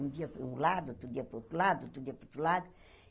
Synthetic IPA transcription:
d̪iɐpũlad̪uot̪ɾud̪iɐpɾot̪ɾulad̪uot̪ɾud̪iɐpɾot̪ɾulad̪u

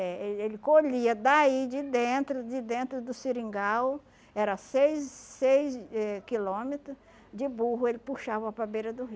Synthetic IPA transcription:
ɛeelɪkoʎiɐd̪aid͡ʒɪd̪ẽt̪ɾʊd͡ʒɪd̪ẽnt̪ɾʊd̪ʊsiɾĩŋɡaw | ɛɾɐsejzːejzɛkilõmet̪ɾʊ | d͡ʒɪbuɦʊelɪpuʃavɐɐpɾabeɾɐd̪ʊɦi

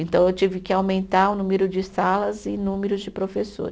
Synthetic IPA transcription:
ẽnt̪ɐ̃w̃ewt͡ʃivɪkɪawmẽnt̪aɾʊnũmeɾʊd͡ʒɪsalɐzɪnũmeɾʊzd͡ʒɪpɾofeso̰ɾ

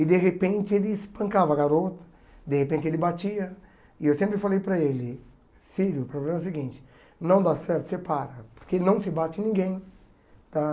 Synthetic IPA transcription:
ɪd̪eɦepẽnt͡ʃɪelɪːspɐ̃kavɐaɡaɾot̪ɐ̥ | d̪ehepẽnt͡ʃɪelɪbat͡ʃiɐ | ɪewsẽmpɾɪfalejpɾɐelɪ | filʊpɾoblẽmɐs̬ɪɡĩnt͡ʃɪ̥ | nɐ̃w̃d̪asɛɾt̪ʊ̥sepaɾɐpo̥ɾkeenɐ̃w̃sɪbat͡ʃɪnĩɡẽj̃ | t̪a

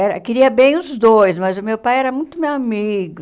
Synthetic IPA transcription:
ɛɾɐkɪɾiɐbẽj̃ʊzd̪ojsmɐzʊmewpajɛɾɐmũj̃t̪ʊmewamiɡʊ

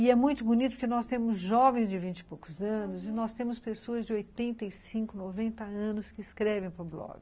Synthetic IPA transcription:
ɪɛmũj̃t̪ʊbʊnit̪ʊpɾkenɔst̪ẽmʊzʒɔvẽj̃zd͡ʒɪvĩnt͡ʃɪ̥powkʊzɐ̃nʊzɪnɔst̪ẽmʊspesoɐzd͡ʒɪojt̪ẽnt̪ɐisĩŋkʊnovẽnt̪ɐɐ̃nʊskɪːskɾɛvẽj̃pɐɾʊblɔ̰ɡɪ

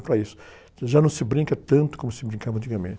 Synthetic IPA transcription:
pɾɐisʊ̥ | ʒanɐ̃w̃sɪbɾĩkɐt̪ɐ̃nt̪ʊ̥kõmʊsɪbɾĩkavɐ̃t͡ʃ̪ikɐmḛ̃t͡ʃ

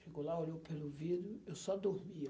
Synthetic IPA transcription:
ʃeɡowlaoʎowpelʊvid̪jʊewsɔd̪oɾmi

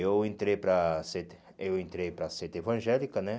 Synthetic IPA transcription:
ewẽnt̪ɾejpɾɐset̪ | ewẽnt̪ɾejpɾɐset̪ɪevɐ̃ʒɛlikɐnɛ

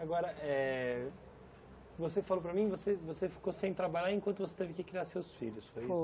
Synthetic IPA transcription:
aɡɔɾɐʔɛ | vosefalop̬ɾɐmĩvosevosefi̥kosẽj̃t̪ɾabaʎaɾẽkwɐ̃nt̪ʊvose̥t̪evɪkɪkɾiaɾsewsfḭʎʊsfojis

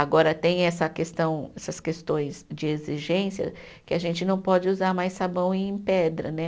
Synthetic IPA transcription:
aɡɔɾɐt̪ẽj̃ɛsɐkest̪ɐ̃w̃ɛsɐskest̪õj̃sd͡ʒɪeziʒẽsiɐ̰ | kɪaʒẽnt͡ʃɪnɐ̃w̃pɔd͡ʒɪuzaɾmajssabɐ̃w̃ẽj̃pɛd̪ɾɐ̰nɛ

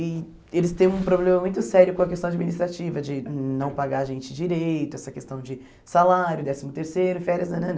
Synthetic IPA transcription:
ɪ | elɪst̪ẽj̃ũpɾoblẽmɐmũj̃t̪ʊsɛɾjʊkõɐkest̪ɐ̃w̃ad͡ʒiminist̪ɾat͡ʃivɐd͡ʒɪnɐ̃w̃paɡaɾʒẽnt͡ʃɪd͡ʒiɾejt̪ʊɛsɐkest̪ɐ̃w̃d͡ʒɪ | salaɾjʊd̪ɛsimʊt̪eɾsejɾʊɪfɛɾiɐzɐnɐ̃n

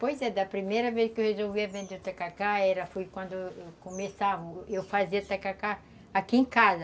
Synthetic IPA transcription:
pojzɛd̪ɐpɾimejɾɐveskɪewhezowviɐvẽnd̪eʊt̪akakaɛɾɐfujkwɐ̃nd̪ʊewkõmesavɐewfaziɐt̪akaka | akiẽkazɐ

